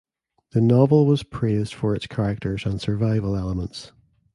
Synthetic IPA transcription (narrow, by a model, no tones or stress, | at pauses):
ðənɔvəlˠwɔz̥pʰɹ̥ezd̥fə˞ɪtskʰaɹɪk̚tʰə˞zə̃nsə˞vaɪvəlˠɛlˠəmə̃nts